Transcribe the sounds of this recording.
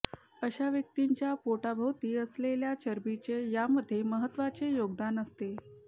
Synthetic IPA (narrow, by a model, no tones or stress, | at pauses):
əɕaʋjək̚t̪iɲt͡ɕjapoʈabʱəwt̪iːəsleljat͡ɕəɾbit͡ɕejaməd̪ʱːjeməɦət̪ːʋat͡sejoɡd̪anəst̪e